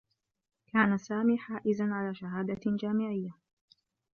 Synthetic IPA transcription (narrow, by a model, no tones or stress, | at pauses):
kaːnasaːmiːħaːʔɪzanʕalaːʃaɦaːd̪ad͡ʒaːmɪʕɪjːa